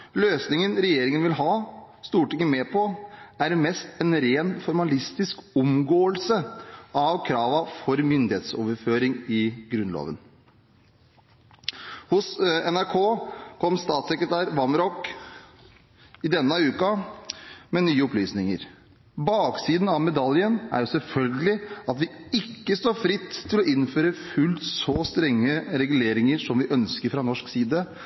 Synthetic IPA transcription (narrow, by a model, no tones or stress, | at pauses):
løːsnɪŋənɾɛjeːɾɪŋənʋɪlɦɑː | st̪uːʈɪŋːəmeːpʰɔæɾmɛst̪ɛnɾeːnfɔɾmɑlɪst̪ɪskʊmɡoːəlsəʔɑʋkʰɾɑːʋɑfɔɾmʏnd̪ɪheːt̪soːʋəɾføːɾɪŋɪɡɾʉnlo̰ːʋən | hʊsɛnæɾkʰoːkʰɔmst̪ɑːt̪sɛkɾət̪ʰæːɾʋɑmɾɔk | ɪd̪ɛnːəʉːkɑ | mɛnyːəɔplyːsnɪŋə̰ɾ | bɑːksiːd̪n̩ɑʋmɛd̪ɑljənæ̰ɾjʊsɛlfœlɡəlɪɑt̪ʋɪɪkːəst̪oːɾfɾɪt̪ʰːɪlɔʔɪnføːɾəfʉlsɔst̪ɾɛŋːəɾɛɡʉleːɾɪŋəɾʂɔmʋɪʔœnskəɾfɾɑnɔʂksiːd̪ə